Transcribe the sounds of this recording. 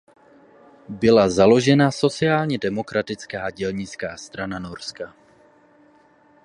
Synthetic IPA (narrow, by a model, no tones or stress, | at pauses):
bɪlazalo̞ʒɛnaso̞t͡sɪjaːlɲɛdɛmo̞kɾat̪ɪt͡skaːɟɛlɲɪt͡skaːst̪ɾanano̞ɾska